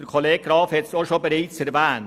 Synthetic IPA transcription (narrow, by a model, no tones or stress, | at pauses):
əkʰole̥ːɡɾɑːfhɛt̪soʃobəɾiːt͡sɛɾvæːn